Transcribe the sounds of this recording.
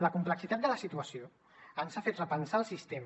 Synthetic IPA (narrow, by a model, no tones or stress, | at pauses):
ləkumpləksit̪at̪̚d̪ələsit̪uəsio | ənsafet̪rəpənsaəlˠsist̪em